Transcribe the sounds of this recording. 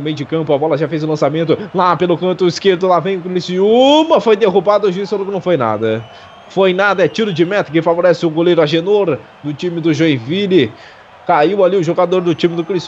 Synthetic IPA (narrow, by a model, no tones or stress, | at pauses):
mẽj̃d͡ʒɪkɐ̃mpʊabɔlɐʒafejzʊlɐ̃samẽnt̪ʊlapelʊkɐ̃nt̪ʊiskeɾd̪ʊlavẽj̃ʊkɾnisiuumɐfojd̪eɦubad̪ʊʊʒuisfolokɪnɐ̃w̃fojna̰d̪ɐ | fojnad̪ɐɛt͡ʃiɾʊd͡ʒɪmɛt̪ɐkɪfavoɾɛsɪʊɡolejɾʊaʒenoɾ | d̪ʊt͡ʃĩmɪd̪ʊʒoẽvilɪ | kaiwaliʊʒoɡad̪oɾd̪ʊt͡ʃĩmɪd̪ʊkɾis